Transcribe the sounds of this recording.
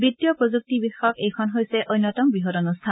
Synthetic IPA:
bit̪ːijɔpɹozuk̚tibixɔkejkʰɔnɦojsɛʔojnːɔtɔmbiɦɔɾɔnust̪ʰan

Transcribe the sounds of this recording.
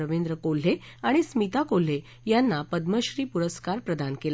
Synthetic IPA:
əʋend̪ɾəkol̤ɦe | aɽ̃ismit̪akol̤e | janːapəd̪məɕɾiːpuɾəskaɾpɾəd̪ankel

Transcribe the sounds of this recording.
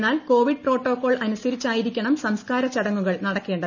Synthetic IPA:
nːaːlko̞ːʋiɖ̚pro̞ːʈːo̞ːkːo̞ːɭɐnusɐɾit͡ɕːaːjiɾikʲːɐɳɐmsɐmskaːɾɐt͡ɕɐɽɐŋːuɣɐɭnɐɽɐkːe̞ːɳɖɐ

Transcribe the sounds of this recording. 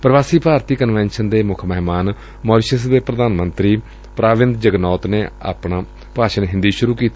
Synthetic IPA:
pɾʋaːsiːpaːɾt̪iːkənʋɛ̃ːnʃənd̪eːmʊkʰməɦmaːn | moːɾʃəs̬d̪eːpɾəd̪aːnmənt̪ɾiː | pɾaːʋɪnd̪d͡ʒəɡnɔːt̪neːa̰ːpɳãː | paːʃənɦɪ̃nd̪iːʃʊɾuːkiːt̪i

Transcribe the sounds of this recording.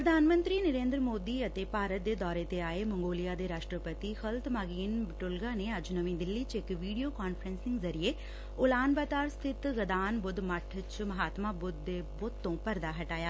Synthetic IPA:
pɾəd̪ʱaːnmə̃nt̪ɾiːnəɾẽːnd̪ɾmoːd̪iːət̪eːpaːɾət̪̚d̪eːd̪ɔːɾet̪eaːemə̃ŋɡoːlijaːd̪eːɾaːʃʈɾəpət̪ixəlt̪maːɡiːnbɪʈʊlɡaːneːɐd͡ʒnəʋĩd̪ɪlːiːt͡ʃɪkʋiːɖijoːkaːnfʰəɾənsɪ̃ŋɡzɐɾijeː | ʊlaːnbaːt̪aːɾst̪ʰɪt̪ɡəd̪aːnbʊd̪mɐʈʰt͡ʃmɐɦaːt̪maːbʊd̪ːeːboːt̪ːõːpəɾd̪aːɦɐʈaːjaː

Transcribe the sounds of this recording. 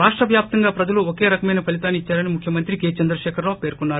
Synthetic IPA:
ɾaːʂʈɾɐʋjaːp̚t̪ɐŋɡaːpɾɐd͡ʒɐluoke̞ːɾɐkɐmɐjnɐpɐlit̪aːnit͡ʃːaːɾɐnimukʰjɐmɐnt̪ɾikeːt͡ʃɐnd̪ɾɐʃɛːkʰɐɾloːpe̞ːɾkkunːaːɾu

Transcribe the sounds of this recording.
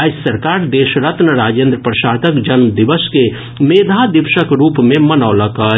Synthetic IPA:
ɐsːɐɾkaːɾd̪eːʃɾət̪nəɾaːd͡ʒẽːnd̪ɾəpɾəʃaːt̪əkd͡ʒɐnmd̪ɪʋəske | meːd̪ʱad̪ɪpʃəkɾuːpmẽmɐnaːlɐkə

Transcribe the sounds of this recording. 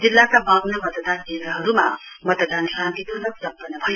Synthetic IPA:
d͡zilːakabaŋnamʌt̪d̪ankend̪ɾʌɦʌɾuma̰mʌt̪d̪ansrãnt̪it̪ʰunʌksʌmpʌnʌbʱʌjo

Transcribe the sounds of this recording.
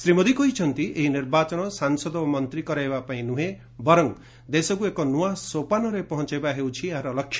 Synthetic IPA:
sɾimod̪ikoɦit͡ʃʰɔnt̪iʔeɦiniɾbat͡ʃɔɽ̃ɔsaŋsɔd̪ɔmɔnt̪ɾikɔɾaebapaĩnũɦe | bɔɾɔŋ | d̪esɔkuekɔnuasopanɔɾepɔɦɔ̃t͡ʃebaɦewt͡ʃʰiaɦaɾɔlɔkʰːj

